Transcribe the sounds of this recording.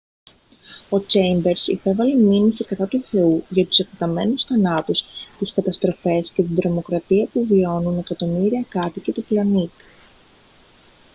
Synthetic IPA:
o̞t͡ʃejmbe̞ɾsipe̞vɐleminisikɐt̪ɐt̪uθe̞uʝɐt̪u̥sekt̪et̪ɐme̞nusθɐnɐt̪ust̪iskɐt̪ɐst̪ɾo̞fe̞sce̞t̪ind̪ɾo̞mo̞kɾɐt̪iɐpuvio̞nune̞kɐt̪o̞miɾiɐkɐt̪ice̞t̪oplɐnit̪i̥

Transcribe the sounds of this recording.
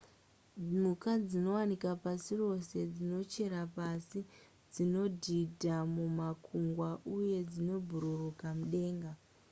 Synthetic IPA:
mukad͡zino̞wanikapasiro̞se̞d͡zino̞t͡ʃe̞ɾapasi | d͡zino̞dʱidʱamumakʰuŋɡwaʔuje̞d͡zino̞bʱuɾurukamuɗe̞ːŋɡa

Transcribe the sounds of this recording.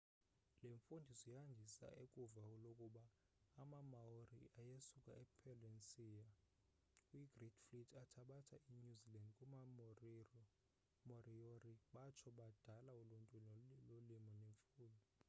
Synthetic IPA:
leɱfundʱisɔjand͡ʒʱisa̰ʔekʼuvaulokʼuɓaː | mamaorḭajesukʼa̰ɛpʰɛlensiːja | wiɡ̥ridflitʰʼatʰaɓatʰaʔiɲuzilandkʼuma | mɔrioriɓat͡ʃʰɔɓad̥ʱalauluntʼululimɔneɱfuːnii

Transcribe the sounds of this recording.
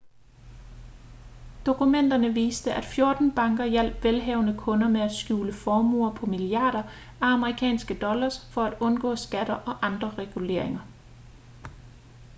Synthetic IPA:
d̥o̝kʰumen̰d̥ɐnəʋiːsd̥əʔæd̥fjo̝ɐd̥n̩b̥ɑ̈ŋɡ̥ɐjæl̰b̥ʋelɦɛːʊ̰nəkʰɔ̽nɐmeæd̥sɡ̥juːləfɒːmṵːɐpʰɒ̽miliɑ̰̈ːɾ̥ɐ | æɑməʁikʰɛ̰ːnsɡ̥əd̥ɒ̽lɐsfɒ̽æd̥ɔ̽nɡ̥ɔ̰̽ːsɡ̥æɾ̥ɐʔɒ̽ʔɑ̈nd̥ʁɐʁɛɡ̥ule̝̰ɐ̰e̝ŋɐ

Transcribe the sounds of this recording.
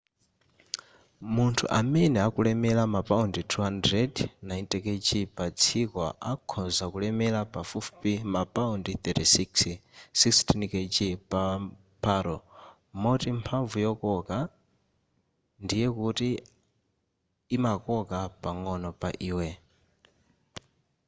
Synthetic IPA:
muntʰṵʔamɛnɛakulɛmɛlamapʼaunditʰuɦandɾɛdnaintʼɛket͡ʃʼipat͡sʰikɔʔakʰɔzakulɛmɛlapafufpimapʼaundiθɛtisikssikstʰiniket͡ʃʼipa | pʰaːɾɔ | mɔtimpʰaɱvujɔkɔka | ndijɛkuti | makɔkapaŋɔnɔpaʔiːwɛ

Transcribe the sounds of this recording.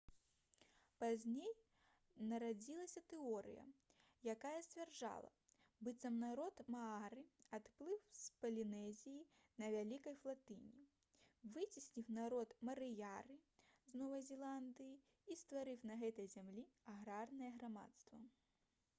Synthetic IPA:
pazʲnʲej | nɐɾad͡zʲilˠɐsʲɐt̪ɛɔɾɨ̰jɐ̰ | jakajɐsʲtʲvʲɛrd͡ʐa̰lˠɐ̰ | bɨt̪sɐmnaɾɔt̪mɐaɾɨat̪plˠɨwspɐlʲinɛzʲiji | nɐvʲalʲikɐjflˠat̪ɨnʲi | vɨt͡sʲisʲnʲiwnaɾɔt̪mɐɾɨjaɾɨznɔvɐzʲɛlˠand̪ɨji | ist̪vaɾɨwnɐɣɛt̪ɐjzʲamlʲiaɣɾarnɐjɛɣɾama̰t̪st̪vɐ

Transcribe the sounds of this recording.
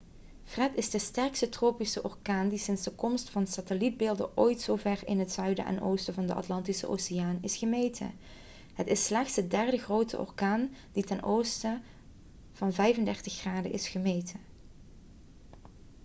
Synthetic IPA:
frɛtɪzdəstɛɹkstətroːpisəʔɔɹkaːndisɪnzdəkɔmstfɑnəsatəlid̚bɪːlˠdə̰ʔoːjtsoːvɛɹɪnɦətsœɥdə̰ʔɛ̰nʔowstəvɑndəʔɑ̰tlɑntisə̰ʔo̰wsɪjaːnɪsχəmejtʰə̰ | ɦətɪslɛxtsədɛɹdəɣrowtə̰ʔɔ̰ɹkaːnd̥itɛnʔowstə | v̥ɑnvɛjvəndɛɹtəxːraːdə̰ʔɪsχəmejtʰə

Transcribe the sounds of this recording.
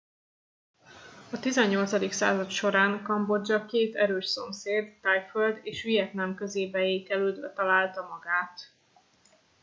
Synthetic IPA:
ɒt̪izɛɲːo̞lt̪sɒd̪iksa̰ːzɒt̪ʃo̞ɾaːŋkɒmbo̞d͡ʒɒkeːt̪ɛɾøːʃso̞mseːd̪ːajføld̪eːʃijɛt̪nɛmkøzeːbɛeːkɛløːd̪bɛ̰t̪ɒlaːlt̪ɒmɒɡaːt̪

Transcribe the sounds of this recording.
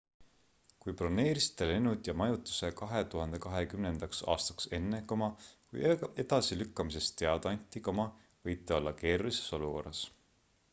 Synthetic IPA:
kujprone̞ːɾist̪elenud̪jɑmɑjut̪ːˑu̥se̞kɑɦe̞t̪uɦɑnd̪̥e̞kɑɦe̞kymnend̪ɑksɑ̰ːst̪ɑ̥kse̞nːekomɑkṵje̞d̪̥ɑsilykːɑmis̬e̞st̪ːe̞ɑd̪̥ɑɑnʲt̪ːˑikomɑ | vɤjt̪ːˑio̞lːɑke̞ːɾulise̞̥so̞luko̞̰rːɑs

